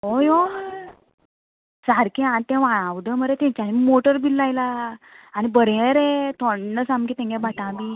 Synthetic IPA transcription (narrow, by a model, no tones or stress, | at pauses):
ojo | saɾkĩant̪ɛ̃ʋaɭ̃ãʋd̪əməɾet̪ɛ̃t͡ɕanimoʈəɾbilːajlaː | nibəɾjeɾet̪ʰɔɳːəsamkit̪ɛ̃ŋɡãbaʈãbi